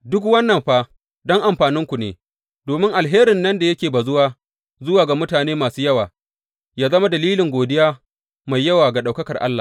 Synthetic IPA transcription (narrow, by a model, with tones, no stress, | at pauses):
dʊ˦kwɐ˦nːɐ˨mɸa˦ | dɔ˦ŋʔa˨mɸaː˨nɪ˦ŋkʷu˨nḛː˨ | doː˨mɪ˦ŋʔa˨lɦeː˦ɾɪ˨nːɐ˦nda˨jɐ˦kʲeː˨ba˨zʊ˦waː˦ | zʊ˦waː˨ɡa˨mʊ˦taː˨neː˦maː˨suː˦jɐ˦waː˨ | jaː˦zɐ˦ma˦dɐ˨liː˦lɪ˨ŋɡʷoː˨dɪ˦jaː˦ | ma˨jːɐ˦waː˨ɡa˨ɗa˨wkɐ˦kɐ˨rʔa̰˦lːaː˨